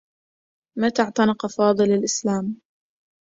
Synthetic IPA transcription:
mat̪aʕt̪ˤɑnɪqɑfɑːðˤɨlalʔɪslaːm

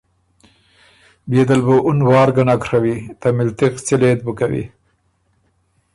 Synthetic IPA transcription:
bed̪alboʔʊnwɑːɾɡanakɾawit̪amɪlt̪ixt͡sɪleːt̪̚bukawḭ

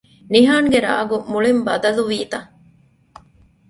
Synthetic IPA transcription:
niɦaːŋɡeɾa̰ːɡumuɭimbɐd̪ɐluʋiːt̪ɐ

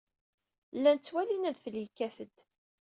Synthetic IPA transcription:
lːænt͡sːwælinæðfəlikːæθəd̪̥

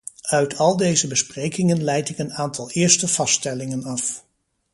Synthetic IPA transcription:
œɥtʰɑlˠdejzəbəsprejkɪŋənlɛjtɪkənaːntɑlˠɪːɹstəvɑstɛlɪŋənɑf

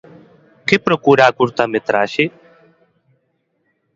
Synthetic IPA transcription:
kepɾokuːɾaːkuɾt̪amet̪ɾaːʃi

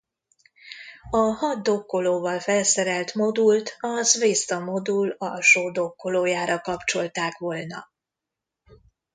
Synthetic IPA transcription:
ɒhɒd̪d̪okːoloːvɒlfɛlsɛɾɛlt̪mo̞d̪ult̪ɒzveːst̪ɒmo̞d̪ulɒlʃoːd̪okːoloːjaːɾɒkɒpt͡ʃo̞lt̪aːkʋolnɒ̰

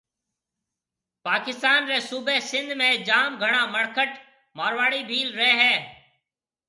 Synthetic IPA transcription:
paːkɪst̪aːnɾeːsuːbʱeːsɪ̃nd̪ʱmẽːd͡ʒaːmɡʱəɳ̃aːməɽkʰəʈ | maːɾʋaːɽiːbʱiːlɾəeːɦɛː

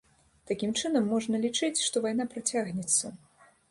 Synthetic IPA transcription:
t̪akʲimt͡ʂɨnɐmːɔʐnɐlʲit͡ʂɨt͡sʲʂt̪ɔvajnapɾat͡sʲaɣnʲɛt̪sːɐ

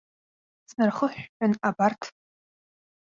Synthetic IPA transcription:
snɨrχəħʷᶣʊnabartʰ

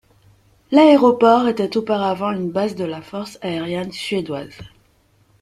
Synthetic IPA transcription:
laeʁɔpɔʁet̪ɛt̪opaʁavɑ̃ynbazd̪əlafɔʁsaeʁjɛnsɥed̪waz

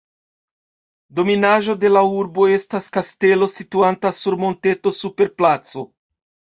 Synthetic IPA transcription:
do̞minaʒo̞de̞lauɾbo̞e̞staskaste̞lo̞situantasuɾmo̞nte̞to̞supe̞ɾplat͡so̞

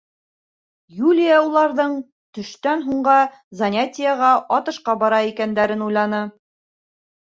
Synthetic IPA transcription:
julʲɪjaulˠɑɾðɤɴ | t̪ɵ̆ʃt̪ænɦuɴɢɑ | zɐnʲatʲɪjaʁɑʔɑt̪ɤ̆ʃqɑbɑɾɑikænd̪æɾɘnujlˠɑnɤ

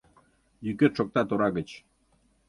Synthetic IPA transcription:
jyket̪ʃok̚t̪ɑt̪oɾɑɣə̆t͡ɕ

